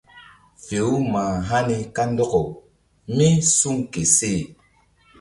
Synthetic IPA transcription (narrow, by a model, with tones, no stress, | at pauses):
fe˨u˦ma˨ɦa˦ni˦ka˦n˦dɔ˦kɔ˨ | mĩ˦su˦ŋke˨se˦˨